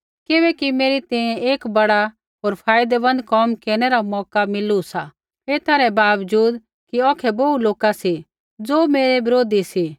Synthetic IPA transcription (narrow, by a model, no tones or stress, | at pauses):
kɪβɛkimeːɾit̪ɛ̃ẽeːkbɐɽa | ɦoːɾpʰaːjd̪ɛbɐ̃nd̪kɔmkeːɾñɛɾamɔːkamɪlusa | eːt̪ʰaɾɛbaːʋd͡ʒuːd̪ | kiɔːkʰɛbouloːkasi | d͡zoːmeːɾebɪɾoːd̪isi